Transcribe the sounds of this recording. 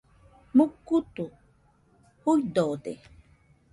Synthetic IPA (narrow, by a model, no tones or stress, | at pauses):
mukːut̪u | hujd̪od̪ḛ